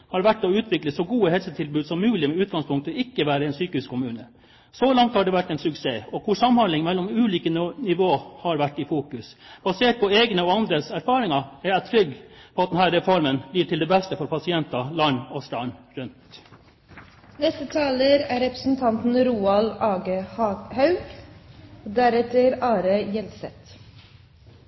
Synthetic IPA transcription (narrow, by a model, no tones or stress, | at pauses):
hɑɾʋæʈːɔʉːt̪ʰʋɪkləsɔɡuːəhɛlsət̪ʰɪlbʉːd̪sɔmːʉːlɪmɛʉːt̪̚ɡɑŋspʰʊŋk̚t̪əɪkːəʋæːɾəɛnsyːkəʉskʰʊmʉːnə | sɔlɑŋt̪hɑɖɛʋæʈːɛnsʉkseːɔkʰʊʂsɑmːhɑnlɪŋmɛlːɔmʉːliːkənɪʋoːhɑɾʋæʈːɪfuːkʉsb̥ɑseːʈ̚pʰɔeːɡnəɔɑnd̪ɾəsæɾfɑːɾɪŋɑæɾæt̪ʰɾʏɡːpʰɔɑt̪d̪ɛnhæːɾːɛfɔɾmənb̥liːʈʰɪld̪ɛːbɛst̪əfɔɾpʰɑsɪɛnt̪ɑlɑnɔst̪ɑnɾʉnt̪ | nɛst̪ət̪ʰɑːləɾæːɾɛpɾə̥sn̩t̪ʰɑnt̪n̩ɾuːɑlɑːɡəhɑhɑʉɡ | od̪æɾɛt̪əɾɑːɾəjɛlsɛt̪